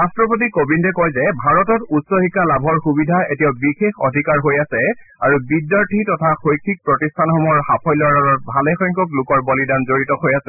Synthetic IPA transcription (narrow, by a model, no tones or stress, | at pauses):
ɹastɹɔp̬ot̬ikobindɛkɔjzɛbʱaɹɔtɔtutsoxikːalabʱɔɹxubidʱaetiabixexɔdʱikaɹɦojasɛ | aɹubidjaɹtʰitɔtʰaxojkʰik̚pɹɔtistʰanxɔmɔɹhapʰɔjlɔɹaɹɔt̚bʱalɛxɔjŋkɔklʊkɔɹbɔlidanzoɹitɔhojasɛ